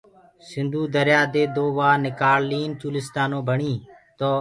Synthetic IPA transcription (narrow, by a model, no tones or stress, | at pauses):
sɪnd̪ʱuːd̪əɾjaːd̪eːd̪oːʋaːnɪkaːlliːnt͡ʃuːlɪst̪aːnõːbʱəɳiː | t̪oː